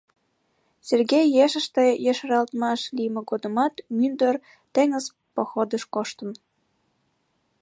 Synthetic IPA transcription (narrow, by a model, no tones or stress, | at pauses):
serɡejːeʃə̆ʃt̪ejəʃɾɑlt̪mɑʃlijmĕɡod̪ə̆mɑt̪mynd̪ər | t̪ĕŋə̆z | pŏxod̪əʃkoʃt̪ə̆m